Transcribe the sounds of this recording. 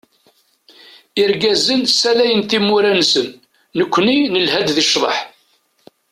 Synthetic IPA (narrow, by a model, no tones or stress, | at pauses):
ɪɾɡæzənsælæjənt̪imːʊɾænsənː | əkʷːninəlhæd̪ðiʃðˤə̰ħ